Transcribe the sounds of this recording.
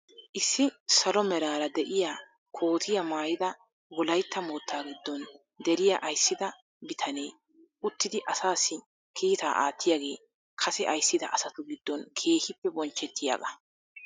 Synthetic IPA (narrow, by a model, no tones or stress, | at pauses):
ʔɪsːɪsɐlɔmɛɾaːɾɐd̪ɛʔɪjaː | kʰo̞ːt̪ʰɪjɐmaːjɪd̪ɐ | wɔlɐjt̪ːɐmoːt̪ːaːɡɪd̪ːɔn | d̪ɛɾɪjaʔɐjsːɪd̪ɐ | bɪt̪ʰɐne̞ː | ʊt̪ːɪd̪ɪʔɐsaːsːɪ | kʰiːt̪aːʔa̰ːt̪ːɪjaɡe̞̰ː | kʰɐsɛʔɐjsːɪd̪ɐʔɐsɐt̪ʊɡɪd̪ːɔnkʰe̞ːhɪpːɛbɔnt͡ʃːɛt̪ːɪja̰ːkɐ